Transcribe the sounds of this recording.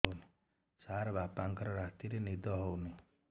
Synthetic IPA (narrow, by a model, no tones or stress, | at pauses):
wnu | saɾbʱapaŋkɔɾɔɾat̪iɾenid̪ɔɦownu